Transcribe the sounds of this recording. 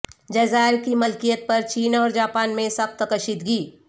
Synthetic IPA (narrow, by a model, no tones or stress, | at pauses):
d͡ʒɛːzaːɪɾkimɐlkijət̪̚pɐɾt͡ʃiːnɔːɾd͡ʒaːpaːnmẽsɐx̚t̪əkəʃit̪ɡiː